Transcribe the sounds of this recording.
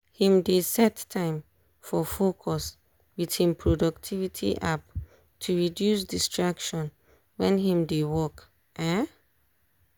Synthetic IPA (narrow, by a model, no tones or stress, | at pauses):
hĩmdesɛtʰãɪ̃m | fɔfokʰɔs | wið̥hĩmpʰɹɔdɔk̚tʰivitʰḭʔap̚ | tʰuɹidjus̬distɹakʃɔ̃n | wɛ̃nhĩmdewɔk | ʔɛ